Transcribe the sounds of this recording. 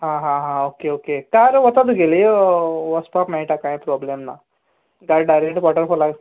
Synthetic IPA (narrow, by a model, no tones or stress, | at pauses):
ɦãɦãɦãokeokekaɾəʋət̪at̪̬uɡeliʋɔspapmɛiʈakãjpɾɔblemna̰ | ɡaɾɖajɾek̚ʈpɔʈəɾfɔɾlaɡ